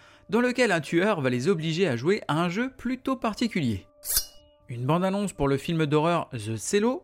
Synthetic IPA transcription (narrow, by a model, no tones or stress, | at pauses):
d̪ɑ̃ləkʲɛlɛ̃t̪ʰyœʁvalezɔbliʒeaʒweʔaɛ̃ʒøplyt̪opaʁt̪ikʲyljḛ | ynbɑ̃d̪anɔ̃spuʁləfilmd̪ɔʁœʁzəselo